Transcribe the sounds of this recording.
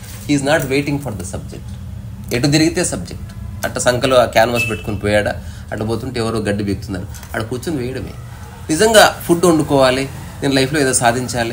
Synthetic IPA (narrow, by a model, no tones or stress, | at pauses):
hiːznaːʈʋeːʈiŋɡpʰɐɾd̪ɐsɐb̚d͡ʒḛk̚ʈ | eʈːud͡ʒɐɾiɡit̪e̞ːsɐb̚d͡ʒek̚ʈɐʈlɐsɐŋkɐloakaːnʋaːs̬peʈːu̥konipɔːjaːɽa̰ː | ɐʈːɐboːt̪uɳʈeɛʋɐɾoːɡɐɖːibeɡut̪und̪aːɾu | ɐɽɐkuːt͡ʃunɐʋɛːjɐɽɐmḛː | nizɐŋɡaːpʰuɖoɳɖukɔːʋaːli | neːnlɐjpʰloːeːd̪oːsaːd̪ʱiɲt͡ʃaːli